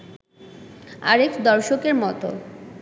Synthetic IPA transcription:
a̰ɾefʰd̪ɔɾʃokeɾmɔt̪o̰

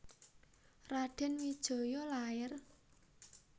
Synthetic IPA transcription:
raɖ̥ɛ̤nwid̥ʒ̥o̤jɔlajər

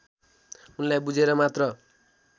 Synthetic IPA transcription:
unlajbud͡zʱeɾʌmat̪rʌ

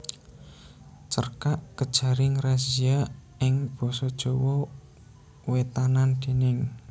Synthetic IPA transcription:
t͡ʃərkaʔkəd̥ʒ̥a̤ɾɪŋrasia | ɪŋb̥ɔ̤sɔd̥ʒ̥ɔ̤wɔ | wet̪anand̪̥e̤nɪŋ

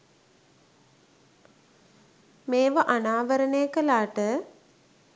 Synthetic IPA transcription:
meːʋəʔanaːʋəɾənejəkəlaːʈə

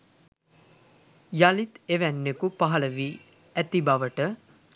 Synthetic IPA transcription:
jalit̪eʋænːekupaɦaləʋiː | æt̪ibaʋəʈə

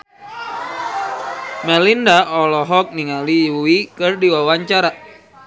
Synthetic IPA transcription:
mɛlindaɔlɔɦɔk̚niŋaliuwikɨrdiwawaɲt͡ʃaɾa

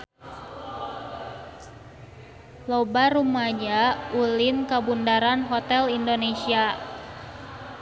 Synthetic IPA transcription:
lobarumaɲaulɪnkabundaɾanɦot̪ɛlindonesia

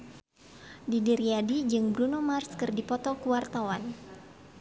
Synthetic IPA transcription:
didiɾiadid͡ʒɨŋbɾunomarskɨrdipɔt̪ɔkuwart̪awan

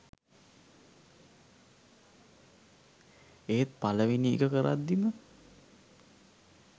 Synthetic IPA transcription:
eːt̪̚paləʋiniḛkəkəɾa̰t̪ːimə

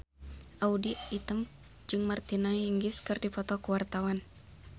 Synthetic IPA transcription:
ʔaudiit̪əm | d͡ʒɨŋmərt̪inahiŋɡɪskɨrdipɔt̪ɔkuwart̪awan

